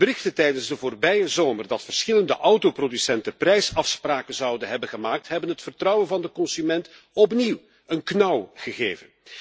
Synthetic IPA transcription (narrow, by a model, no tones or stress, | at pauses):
b̥əɾɪxtətɛjdənzdəvoːrbɛjəzoːmərdɑtfərsxɪləndəʔʌwtoprodysɛntəprɛjsɑfspraːkənzɑwdənɦɛbənɣəmaːk̚tɦɛbənɦətfərtrʌwənvɑndəkɔnsymɛnt | ɔp̬niw | ənknɑwɣəɣeːvən